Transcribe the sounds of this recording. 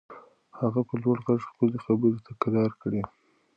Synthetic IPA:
haɣapəlwaɽɣaʐxkəlexabəɾot̪ʰakaɾɑɾkɽe

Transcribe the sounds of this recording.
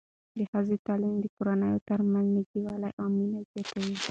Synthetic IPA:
d̪əhazət̪ɑlimd̪əkoɾanəjot̪əɾmanzniɡiwɑlajʔɑminazjɑt̪awi

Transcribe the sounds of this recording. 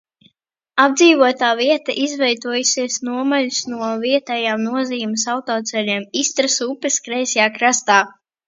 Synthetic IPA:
ab̚d̪ziːvuɔt̪aːviɛt̪ɐʔizvɛjt̪uɔjusʲiɛsnuɔmalʲusnuɔviɛt̪ɛjaːmnuɔziːumɨsawt̪ɔːt̪sɛlʲiɛmist̪ɾɨsupɨskɾɛjsʲjaːkɾast̪aː

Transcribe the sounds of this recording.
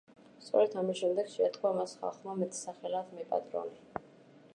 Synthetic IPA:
st̪sʼɔ̰ɾɛt̪ʰamisʃɛmd̪ɛɡ̥ʃɛt̪ʰʼkʰwamasχa̰lˠχmamɛt̪ʰʼsaχɛlad̪mɛpʼa̰t̪ʼɾɔ̰ni

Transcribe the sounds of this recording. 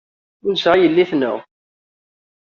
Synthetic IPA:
ʊnsʁajəlːiθnʊ̰ʁ

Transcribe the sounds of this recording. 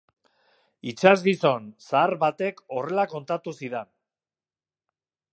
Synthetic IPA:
it͡ʃazɣiso̞nsaːɾβat̪e̞ko̞re̞lako̞nt̪at̪usiðen

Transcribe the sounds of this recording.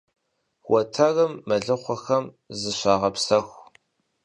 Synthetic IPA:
wɐtʰɐrɐmːɐɮɨχʷɔxɐm | zɨɕʷaːʁɐpsɐxʷ

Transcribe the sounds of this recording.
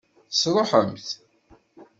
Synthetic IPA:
sɾˤoħəmθ

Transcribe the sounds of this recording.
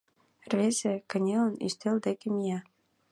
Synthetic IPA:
rezʲĕkɘ̆nʲelə̆ny̰st̪eld̪ekĕmijæ

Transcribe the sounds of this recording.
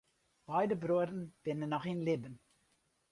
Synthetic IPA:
b̥ɛjdəbruədənb̥ɪnənːɔχinlɪbən

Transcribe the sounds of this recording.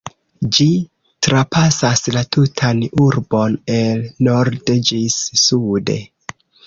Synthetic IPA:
d͡ʒi | tɾapasaslatutʰanuɾbo̞nelno̞ɾded͡ʒisːudḛ

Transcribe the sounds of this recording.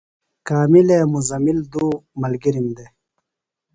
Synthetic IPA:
kaːmilemuzɐmild̪uːmɐlɡiɾimd̪e

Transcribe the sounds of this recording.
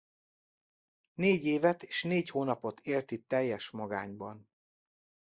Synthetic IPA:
neːɟeːvɛt̪e̥ːʃneːchoːnɒpo̞t̪ʰeːlt̪it̪ɛjːɛʃmɒɡa̰ːɲbɒn

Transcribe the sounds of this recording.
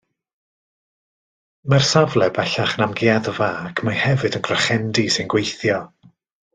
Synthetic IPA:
marsavlˠɛbɛɬaχnamɡeːaðəvaːkʰmahɛvɨdənɡrɔχɛndisɨnɡwejθjɔ

